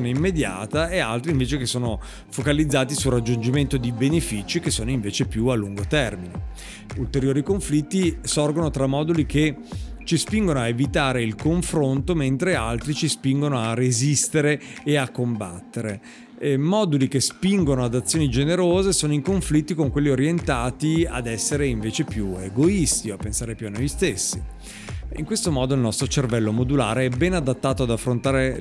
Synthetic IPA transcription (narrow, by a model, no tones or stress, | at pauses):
neimːed̪ja̰ːt̪aea̰lt̪ɾiɱveːt͡ʃekesːoːno | fokalid̪zːaːt̪isurːad͡ʒːund͡ʒiment̪od̪ibenefit͡ʃik̟esːoːnoiɱveːt͡ʃepjualːuŋɡot̪ɛrmine | ult̪eɾjoːɾikoɱflit̪ːisɔrɡonot̪ɾamːɔːd̪ulik̟et͡ʃispiŋɡonoaevit̪aːɾeilkoɱfɾont̪oment̪ɾealt̪ɾit͡ʃispiŋɡonoarezist̪eɾeːakːomba̰t̪ːeɾe | mɔːd̪ulik̟espiŋɡonoad̪at̪sːjoːnid͡ʒeneɾoːzesoːnoikoɱflit̪ːikoŋkwelːioɾjent̪aːt̪ia̰d̪ɛsːeɾeiɱveːt͡ʃepjueɡoist̪ioapːensaːɾepjuanːojst̪esːi | ḭŋkwest̪omɔːd̪oilnɔst̪ɾot͡ʃervɛlːomod̪ula̰ːɾeɛbɛnad̪at̪ːaːt̪oad̪afːɾont̪aːɾe